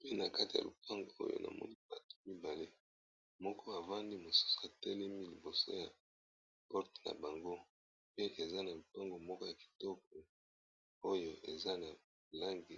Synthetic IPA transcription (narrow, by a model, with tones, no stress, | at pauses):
pe˦na˨ka˦ti˨ja̰˨lu˨pa˦ŋɡo˨o̰˦jo̰˨nʔa̰˨mɔ̰˦ni˦ba˨tu̥˨mi˦ba˨le˦ | mɔ˦kɔ˦a˨va˦ndi˦mo˨su̥˦so̥˨a˨tɛ˦lɛ˦mi˦li˨bo˨so̰˦ja˨ | pɔ˦ʁte̥˨na̰˨ba˨ŋɡo˦ | pe˦ʔe˨za˦na˨lo˨pa˦ŋɡo˨mɔ˦kɔ˦ja˨ki̥˨tɔ˦k̚ɔ˨ | o˦jo˨ʔe˨za˦na˨ | la˦ŋɡi˨